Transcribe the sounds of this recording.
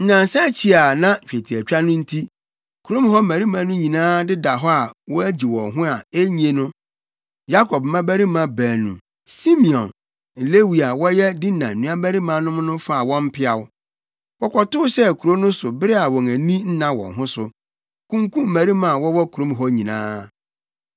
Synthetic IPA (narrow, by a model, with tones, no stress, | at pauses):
n̩˦nã˨n˨sɛ˦t͡ɕʰi˨a˨nã˦˨t͡ɕᶣe˨tʰi˨æ˨t͡ɕᶣa˦nʊ̃˦n̩˦tʰi˦ | kʰu˨ɾo˦m˦hɔ˦mæ˨ɾi˦mã˨nʊ̃˦ɲĩ˨nãː˦dɪ˦da˨ɦɔ˦a˨wɔ˦æ˦d͡ʑi˨wɔ̰̃˨ŋɦʊ̃˦a˨e˦ɲĩ˨˦e˦nʊ̃˦ | ja˦kʰɔ˨b̚mmã˦bæ˦ɾi˦mã˨bæː˨nṵ̃˨ | si˦mi˨ɔ̰̃˨n | n̩˨le˦wi˨a˨wɔ˦jɛ˦dɪ˦nã˨n̩˨ũ˨˦a˦bæ˦ɾi˦mã˦nʊ̃˦m˦nʊ̃˦fa˦˨a˨wɔ̃˦m̩˦pʰɪ˦a˨wʊ˦ | wɔ˦kʰɔ˨tʊ˦ʊ˦ɕɛ˦˨kʰu˨ɾo˦nʊ̃˦sʊ˨bɪ˦ɾɪ˦a˨wɔ̃˨ŋæ˨nĩ˦n̩˦nã˦˨wɔ̰̃˨ŋɦʊ̃˦sʊ˨ | kũ˦ŋkũ˦m̩˦mæ˨ɾi˦mã˨wɔ˦wɔ˦kʰu˨ɾo˦m˨ɦɔ˦ɲĩ˨nã̰ː˦